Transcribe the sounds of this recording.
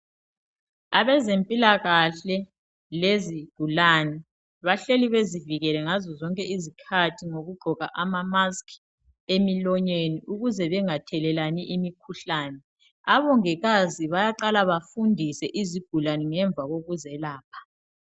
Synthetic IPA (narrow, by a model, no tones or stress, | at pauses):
aβɛzempʼilaɣaɬɛ | leziɡ̥ʱulanɛ | βaɬeliβeziviɣɛlɛŋazɔzɔŋkʼɛizikʰatʰiŋoɣuɡ͡ǃʱɔɣa̰ʔamamaskʰ | emilɔɲeniʔuɣuzɛβɛŋatʰɛlɛlaniʔimikʰuɬaːnɛ | aβɔŋɛɣaziβajaǃalaβafundʱisɛʔiziɡ̥ʱulanɛŋɛɱb̪vʱaɣoɣuzɛlaːpʰḁ